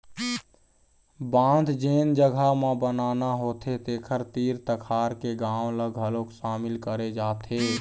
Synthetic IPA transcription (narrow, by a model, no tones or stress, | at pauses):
bãːnd̪ʱd͡ʒeːnd͡ʒəɡʱamãbənaːnaɦoːt̪ʰet̪eːkʰəɾt̪iːɾt̪əkʰaːɾkeɡãːwləɡɦəlokʃaːmɪlkəɾed͡ʒaːt̪ʰe